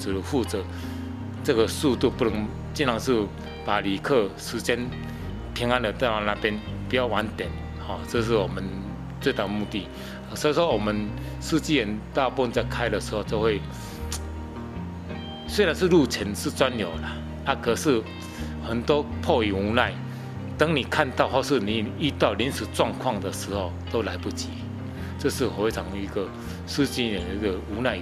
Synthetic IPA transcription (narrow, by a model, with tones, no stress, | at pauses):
t͡s̩˨˩lə˧˦fu˥˩t͡sɤ˨˦ | t͡sə˥˧ɡə˨su˥˧t̪u˥˩pu˥˩nə˧˦ŋ | t͡ɕi˥˦nʰa˨˧˦ŋʂ̩˥˩ | pa˨˩li˨˩kʰɤ˥˧ʂɻ̩˧˥t͡ɕjɛ˥n | p̪ʰjɛ˧˥ŋa˥˦nd̪ə˨t̪a˥˩a˧na˥˧pjɛ˥n | pu˨˩jʊwa˧˦nt̪jɛ˨˩˦n | hɔ˨˩t͡sɤ˥˧ʂ̬̩˥˩wɔ˨˩mə˨n | t͡swe˥˧t̪a˥˩d̪ə˨˧mu˥˧t̪i˥˩˨ | swɔ˧˥i˧ʂ̬wɔ˥wɔ˨˩mə˨˦n | ʂ̩˥˧t͡ɕi˥˧jɛ˨˦nt̪ɑ˥˧ʊpu˥˧ə˧nt͡sa˥˧kʰa˧˥ɪd̪ə˨ʂɻ̩˧˥ho˥˧ʊt͡ɕjo˥˧we˥˩ɪ | swe˥ɪɾa˨˧˦nʂ̩˥˧lu˥˩t͡ɕʰə˨˦nʂɻ̩˥˨t͡swa˦˥njo˨˩ʊla˨ | a˥˧kʰə˨˩ʂɻ̩˥˩ | xə˨˩nt̪wɔ˥pʰɔ˥˩i˨˩u˧˥na˥˩ɪ | t̪a˦˥ŋni˨˩kʰa˥˧nt̪a˥˧ʊxwɔ˥˧˩ʂ̬ɻ̩˥˩nĩ˨˩i˦˥t̪a˥˩ʊljɛ˧˦nʂ̩˨˩t͡swɑ˥˧ŋkʰwɑ˥˩ŋd̪ə˨ʂ̩˧˥ho˨ʊt̪o˥ʊla˧˥ɪpu˥˩t͡ɕʰi˨˦ | ʈ͡ʂɤ˥˧ʂ̩˥˩xt͡sʰɑ˨˦ŋ˧i˧˥ɡə˨ | ʂ̩˥˧t͡ɕi˥˧ə˨˩n˨i˧˥ɡə˨u˧˥na˥˧ɪ